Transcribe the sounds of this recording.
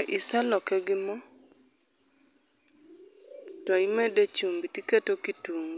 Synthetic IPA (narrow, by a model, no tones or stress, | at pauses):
ʔisalɔkɛɡɪmɔ | tɔjmɛdet͡ʃumbitiketokituŋ